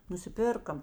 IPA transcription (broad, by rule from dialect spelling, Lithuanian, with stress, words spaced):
nʊsʲɪˈpʲɪrkɐ